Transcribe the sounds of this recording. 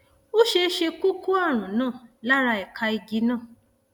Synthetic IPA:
o˦ʃe˧˦ʃe˧ku˦ku˦a˦˨ɾ̃ũ˨˦nãː˦˨la˦ɾa˧ɛ˨kʰa˧i˧ɡi˨˦nã˦˨

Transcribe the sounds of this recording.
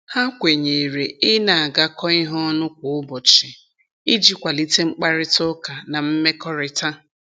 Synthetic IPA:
ha˦kʷe˨ɲe˨ɾe˨ɪ˦na˨a˨ɡa˦kɔ˦ɪ˦ɦɔ˦nʊ˦kʷʊ˨ʊ˦bɔ˨t͡ʃɪ˨ | i˦d͡ʒi˦kʷa˨li˦te˦ŋ͡m̩˦k͡pa˦ɾɪ˦tʊ˦ka˨na˨m̩˦me˦kɔ˦ɾɪ˦ta˦

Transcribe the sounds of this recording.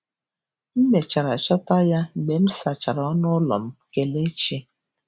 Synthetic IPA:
m̩˦me˨t͡ʃa˨ɾa˨t͡ʃɔ˦ta˦ja˦ne˨m̩˦sa˨t͡ʃa˨ɾɔ˨˦nʊ˦lɔ̰˨m̩˦ke˦le˦t͡ʃe˦

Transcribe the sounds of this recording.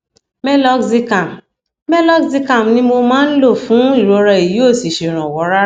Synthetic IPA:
mɛ˦lɔ˦kzi˧ka˨m | mɛ˦lɔ˦kzi˧ka˦˨m˨nĩ˦mo˧mãː˦n̩˦lo˦˨fũ˨˦i˦˨ɾo˨˦ɾɛ˧˨i˨ji˨˦o˦˨si˨ʃe˨ɾ̃ã˨wɔ˨˦ɾa˦

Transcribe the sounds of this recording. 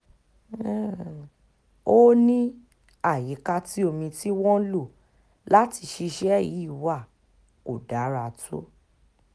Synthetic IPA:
o˦nĩ˦ | a˦˨ji˨˦ka˧ti˦o˧˨mĩ˧ti˦wɔ̃˦lo˦˨ | la˦ti˧ʃi˧ʃɛ˦˨ji˨˦i˦˨wa˦˨ | ko˨da˨˦ɾa˧tʰo̰˦

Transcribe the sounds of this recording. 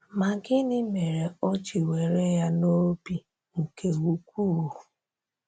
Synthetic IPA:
ma˨ɡɪ˦nɪ˦me˨ɾe˨ɔ˦t͡ʃi˨we˨ɾe˦ja˦no˦bi˦ | ŋ̩˨ke˨wu˨kʷuː˦˨

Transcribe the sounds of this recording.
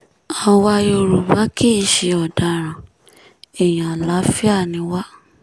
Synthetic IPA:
a˧wa˧jo˧ɾu˨ba˨˦kʰi˦i˦˨ʃe˨ɔ˨da˨˧ɾ̃ã˨ | ɛ˨j̃ã˨a˨la˨˦fi˦a˦˨nĩ˨˧˦wa˦

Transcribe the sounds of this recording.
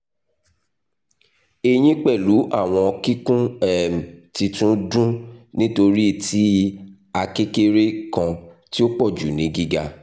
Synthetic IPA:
e˨j̃ĩ˦k͡pɛ˦˨lu˨˦ʔa˦˨w̃ɔ̃˧ɔ˧ki˦kũ˦ɛ˦˨m̩˨ti˧tũ˦dũ˦nĩ˦to˧ɾi˦˨tʰi˨˦ | a˧ke˦ke˦ɾe˦kã˧ti˦o˦k͡pɔ˦˨d͡ʒṵ˨nĩ˨˦ɡi˦ɡa˧

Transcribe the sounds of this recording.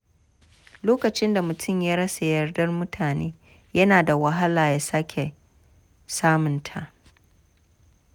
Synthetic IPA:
loː˦kɐ˨t͡ʃɪ˦nda˨mʊ˨tʰʊ˦˨mjaː˦ɽɐ˦sa˨jɐ˨rdɐ˦rmʊ˦tʰaː˨neː˦ | jɐ˦naː˨da˨wɐ˦ɦa˦laː˨jaː˦sa˦kʲʰe˨ | saː˦mʊ˨ntʰa˨ʔ

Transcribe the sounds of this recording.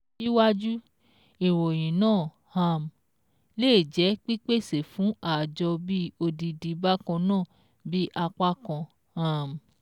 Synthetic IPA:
i˦wa˦d͡ʒu˦ | i˨wo˨j̃ĩ˨nãː˦˨ | hã˧˨m˨ | leː˦˨d͡ʒɛ˨˦k͡pi˦k͡pe˦˨se˨fũ˨˦a˦˨d͡ʒɔ˧bi˦o˧di˧di˧ba˦kã˧nãː˦˨ | bi˦ʔa˧k͡pa˦kã˧ | ha˧m˨

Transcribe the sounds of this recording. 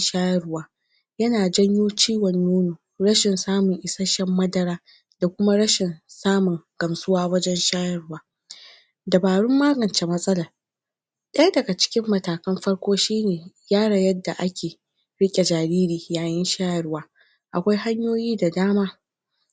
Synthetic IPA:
ʃaː˦jɐ˦rwaː˦ | jɐ˦naː˨d͡ʒɐ˦ɲjoː˦t͡ʃiː˦wɐ˨ɲjuː˦nuː˨ | ɾɐ˦ʃɪ˨nsaː˦mʊ˨ŋʔɪ˨sɐ˦ʃɛ˦mːɐ˦dɐ˦ɾaː˦ | d̥a˨kʷʊ˦ma˦ɽɐ˦ʃɪ˨nsaː˦mʊ˨ŋɡ̥ɐ˨msʼʊ˦waː˦wɐ˦d͡ʒɛ˦nʃaː˦jɐ˦˨rʊ˦waː˦ | dɐ˨baː˨ɽʊ˦mːaː˦ɡɐ˨nt͡ʃe˨mɐ˦sʼɐ˦lɐ˨ | ɗɐ˦ja˦dɐ˨ɡa˨t͡ʃɪ̥˦kʲɪ˦mːɐ˦˨taː˨kɐ˦mɸɐ˦ɽkʷoː˦ʃiː˦neː˨jaː˦ɽɐ˨jɐ˦dːa˨ʔa˦kʲʰeː˨ | ɽɪ˦kʲʼe˨d͡ʒaː˨ɾiː˦ɾiː˨jaː˨jɪ˦nʃaː˦jɐ˨ɽwaː˦ | ʔa˨kʷa˦jɦa˦ɲjoː˦jiː˦da˨daː˦maː˦

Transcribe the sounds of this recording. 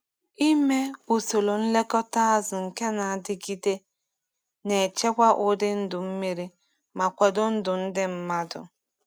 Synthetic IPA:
i˦me˦o˨so˨lo˨n̩˦le˦kɔ˦ta˦a˦zʊ˨ŋ̩˨ke˦na˨a˨dɪ˦ɡi˦de˦ | ne˨t͡ʃe˦kʷa˦ʔʊ˦dɪ˦n̩˦dʊ˨m̩˦me˦ɾi˦ | ma˨kʷe˨dʊ˦n̩˦dʊ˨n̩˦dɪ˦m̩˦ma˦dʊ̰˨

